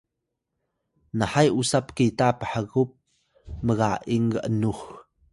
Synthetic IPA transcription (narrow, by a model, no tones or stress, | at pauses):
nəħajʔusap̚kitapəħəɣup̚ | məɣaʔiŋɡəʔənux